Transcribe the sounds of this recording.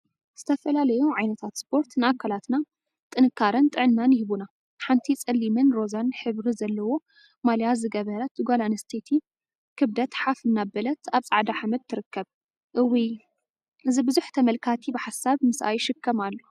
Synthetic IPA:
z̥ɨ̥t̪ʰɐfɐlalɐjuʕajnɐt̪ʰat̪spʰo̞ɾt̪nɨʔakʰːalat̪na | t̪ʼɨnɨkʰːaɾɐnt̪ʼɨʕɨnːanɪhβuna | ħant̪ʰit͡sʼɨlːimɨnɾo̞zanħɨβɾizɐlːɐwo̞ | maljazɨɡɐβɐɾɐt̪ɡolanst̪ʰet̪ʰi | kʰɨβd̪ɐt̪ħafɨnːabɐlɐt̪aβt͡sʼaʕd̪aħamɐd̪̚t̪ʰːɨɾɨkːɐβ | ʔɨwi | ʔɨzibɨzuħt̪ʰɐmɐlkʰat̪ʰibɨħasaβmɨsʔa̰jʃɨkʰːɐmalːu

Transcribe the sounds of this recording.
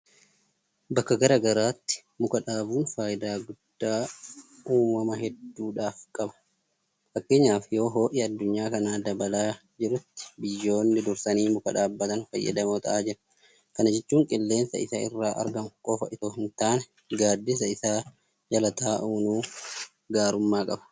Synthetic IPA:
bɐkːɐɡɐɾɐɡɐɾaːt̪ːɪ̥ | mʊkɐᶑaːbuːnfaːjɪd̪aːɡʊd̪̥ːaː | uːmɐmɐɦɛd̪ːuːᶑaːfkʼɐbɐ̥ | fɐkːe̞ːɲːaːfjo̞ːɦo̞ːʔiɐd̪ːʊɲːaːkɐnaːd̪ɐbɐlaː | d͡ʒɪɾʊt̪ːɪ̥bɪjːo̞ːnːɪd̪ʊɾsɐniːmʊkɐᶑaːbːɐt̪ɐnfɐ̰jːɐ̰d̪ɐmoːt̪ɐ̰ʔaːd͡ʒɪɾɐ̥ | kɐnɐd͡ʒɛt͡ʃːuːŋkʼɪlːe̞ːnsɐ̰ɪsaɪ̰rːaːʔɐ̰ɾɡɐmkʼɔfɐʔɪt̪oːhɪnt̪aːnɛ | ɡaːd̪ːɪs̬ɐɪsaː | d͡ʒɐlɐt̪aːʔuːnuː | ɡaːɾʊmːaːkʼɐbɐ̥

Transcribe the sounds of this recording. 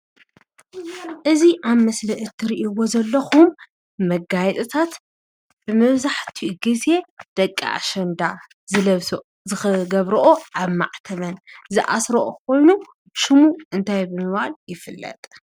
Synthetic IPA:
ʔɨziʔaβmɐslɐʔɨt̪ʰːɨɾiʔiwo̞zɐlːɐxumː | ɐɡajɛt̪ʼɨt̪ʰat̪ | b̥ɨmɐβzaħt̪ʰiɡɨze̞d̪̥ɐkʼːa̰ʔa̰ʃɐnd̪a | zɨlɐβs | zɨxɨɡɐβɾɐʔoʔaβma̰ʕt̪ʰɐβɐnzɨʔa̰sɾoʔokʰo̞jnu | ʃɨmuʔɨnt̪ʰajbɨmɨβaljɪfɨlːɐ̰t̪ʼ

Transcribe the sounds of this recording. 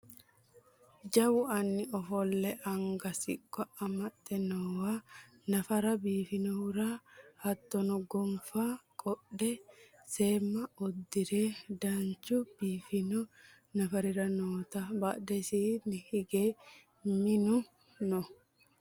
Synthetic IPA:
d͡ʒɐwʊɐnːɪɔfɔlːɛʔɐŋɡɐsɪ̰kʼːɔɐmɐt̪ʼːɛnɔwa | nɐfɐɾɐbiːfɪnɔhʊɾahɐt̪ːɔnɔɡɔmfaːkʼɔɗːɛ | seːmːɐɔd̪ːɪɾeːd̪ant͡ʃʊb̥iːfɪnɔ | nɐfɐɾɪɾɐnoːt̪aba̰dɛsiːnɪhɪɡeː | mɪnʊ | nɔ

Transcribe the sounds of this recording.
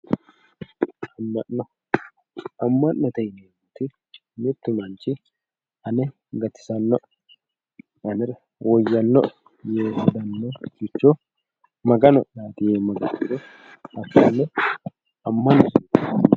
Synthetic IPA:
ɐmːɐnnɔ | ɐmːɐnːɔt̪ɛjneːmut̪ɪ | mɪt̪ːɪmɐnt͡ʃɪ | ʔɐnɛ | ɡɐt̪ːɪ̥sɐnːɔʔ | ɐnɛɾɐ | wɔjːɐnːɔ̰ | jeːd̪ɐnːɔɡɪt͡ʃːɔ | mɐɡɐnɔnaːt̪ɪjeːmɐɡɐt̪ːɪd̪ɔ | ɐpːɐnɛ | ɐmːɐnɔs

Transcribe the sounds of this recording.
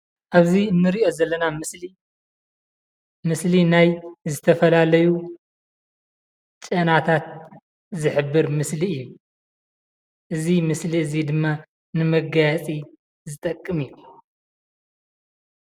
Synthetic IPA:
ʔaβziɨnːɨɾiʔo̞zɐlːɐnamɨsli | mɨslinajzɨt̪ʰɐfɐlalɐju | t͡ʃʼɐnat̪ʰat̪̚ | zɨħɨbːɨɾmɨsliɨjːu | ʔɨzimɨsliɨzid̪ɨmːa | nɨmɐɡajat͡sʼi | zɨt̪ʼɐkʼːɨmiju

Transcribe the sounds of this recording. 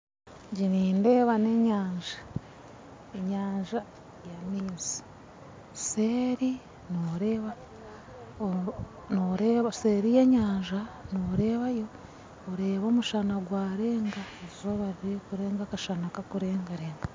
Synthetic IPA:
ɲɟiniːnde̞ːβane̞ɲaːɲʒḁ | eɲaːɲʒa | jamiːzi̥ | seɾi | noɾeːβa | noɾeβase̞ɾije̞ɲaːɲʒanoɾe̞ːβajo̞ː | ɾe̞ːβo̞ːmuʃanaɡwaːɾe̞ːŋɡaezoβaɾiɾekuɾe̞ːŋɡakaʃanakakuɾe̞ːŋɡaɾeːŋɡa

